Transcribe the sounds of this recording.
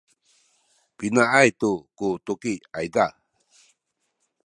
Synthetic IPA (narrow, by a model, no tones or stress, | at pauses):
pinaʔajt̪ukutukiajda